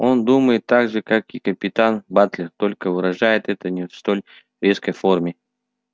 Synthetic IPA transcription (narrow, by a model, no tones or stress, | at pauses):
o̞nd̪uməjɪt̪ːaɡʐɨkakikəpʲɪt̪anbat̪lʲɪrt̪o̞lʲkəvɨɾɐʐajɪt̪ɛt̪ənʲɪfst̪olʲ | ɾʲeskəjfo̞rmʲɪ